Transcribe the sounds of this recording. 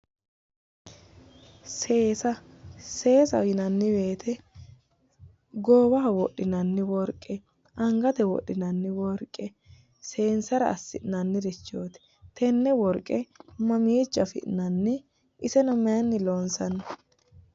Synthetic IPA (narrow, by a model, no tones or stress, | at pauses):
se̞ːsɐ | se̞ːsɐ̰jɪnɐnːɪbe̞ːt̪ʰɛ | ɡoːwɐɐwɔɗːɪnɐnːɪwɔɾkʼːɛ | ɐŋɡɐt̪ɛwɔ̰ɗːɪnɐnːɪwɔɾkʼːɛ | se̞ːnsɐɾɐ̰ɐ̰sːɪʔnɐnːɪɾɪt͡ʃːoːt̪ɛ̥ | t̪ɛnːɛwɔɾkʼːɛmɐmiːt͡ʃːɐfɪ̰ʔnɐnːɪ | ɪsɛnɔmɛɐnːɪlonsɐnːɐ